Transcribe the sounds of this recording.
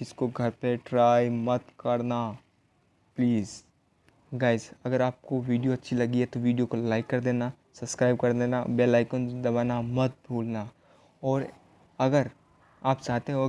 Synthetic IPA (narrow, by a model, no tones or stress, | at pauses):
kɪskoɡʱɐɾpeʈɾaːjmɐt̪kɐɾna | pliːz | ɡaːɪzɐɡəɾaːp̚koʋiːɖijoɐtːʃʰilɐɡiɦɛt̪oʋiːɖijokolaːɪkːɐɾd̪eːna | sɐbskɾaːɪb̚kɐɾd̪eːnabeːlaːɪkond̪ɐbaːnamɐt̪̚bʱuːlna | ɔːɾ | ɐɡəɾ | aːpt͡ʃaːɦt̪eɦɛ̃o